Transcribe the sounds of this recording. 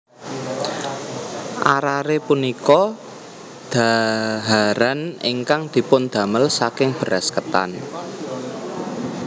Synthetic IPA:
ʔaɾaɾepunikɔ | d̪̥a̤ɦaɾanḭŋkaŋd̪̥i̤pʊnd̪̥a̤məlsakɪŋb̥ə̤ɾaskət̪a̰n

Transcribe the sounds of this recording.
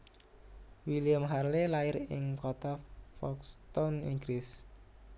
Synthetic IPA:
wiliəmɦarlelaɪɾɪŋkot̪afɔkst̪ɔniŋɡɾɪs

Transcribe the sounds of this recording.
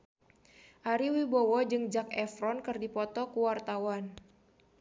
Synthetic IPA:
ʔaɾiwibɔwɔd͡ʒɨŋd͡ʒakɛfɾɔnkɨrdipɔt̪ɔkuwart̪awan

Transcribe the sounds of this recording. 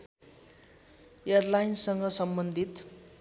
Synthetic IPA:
erlajnsʌŋɡʌsʌmbʌnd̪ʱit̪

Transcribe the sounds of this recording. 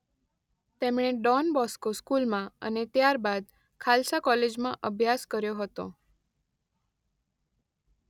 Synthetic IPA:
t̪emɳ̃eɖɔnbɔskoskulmãə̰net̪jaɾbad̪ | kʰalsakɔled͡ʒmãʔəbʱjaskəɾjoɦət̪o̰

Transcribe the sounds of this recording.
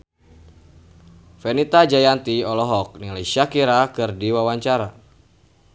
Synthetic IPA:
fɛnit̪ad͡ʒajant̪iɔlɔɦɔk̚nilesiakiɾakɨrdiwawaɲt͡ʃaɾa

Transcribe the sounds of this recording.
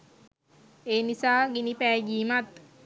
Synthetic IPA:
eːnisaːɡinipæːɡiːmat̪

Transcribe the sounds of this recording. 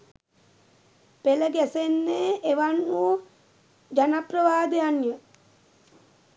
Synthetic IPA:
peləɡæsenːeːʔeʋanːuo | d͡ʒanaprəʋaːd̪ejanjə

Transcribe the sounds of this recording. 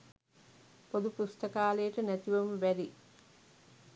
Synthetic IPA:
pod̪upust̪ɐkaːlejːʈənæt̪iʋɐmʋæɾi

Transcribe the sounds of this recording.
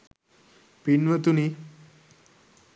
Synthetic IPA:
piɳʋət̪uni

